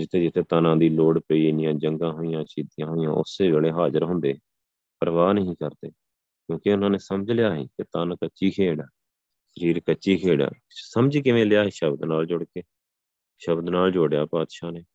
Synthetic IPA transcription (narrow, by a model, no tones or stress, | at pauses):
d͡ʒɪt̪ʰːeːd͡ʒɪt̪ʰːeːt̪aːnãːd̪iːloːɽpəiːɪnɪjãːd͡ʒəŋɡãːɦoːijãːt͡ʃiːd̪ijãːɦoːijãːʔʊ̰sːeːbeːleːɦaːzəɾɦʊ̃nd̪eː | pəɾəʋaːnəɦĩːkəɾd̪eː | kjõːkɪʊnãːneːsəməd͡ʒlɪjaːɦḭːket̪aːnkət͡ʃːt͡ʃʃiːkʰeːɽaː | ʃəɾiːɾkət͡ʃːt͡ʃːiːkʰeːɽa̰ː | səmd͡ʒiːkɪʋẽːlɪjaːɦeːʃəbd̪naːld͡ʒʊɽkeː | ʃəbd̪naːld͡ʒoːɽjaːpaːd̪ʃaːneː